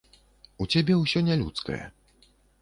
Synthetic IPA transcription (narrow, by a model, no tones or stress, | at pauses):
ut͡ɕebʲjɛuɕɔɲɛlʲṵt̪skɛ̰